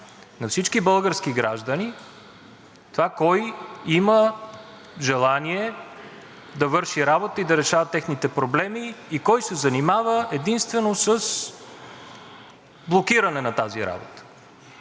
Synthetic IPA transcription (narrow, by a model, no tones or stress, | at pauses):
nɐfsit͡ʃkibɤlˠɡəɾskiɡɾa̰ʒd̪əni | t̪ovakɔjimə | ʒɛlˠaniɛ | d̪ɐvɤɾʃiɾabot̪əid̪ɐɾɛʃavət̪ːɛxnit̪ɛpɾoblɛmiːkɔjsɛzɐnimavəɛd̪inst̪vɛnosəs | blˠokiɾənɛnɐt̪aziɾa̰bo̰t̪ə̥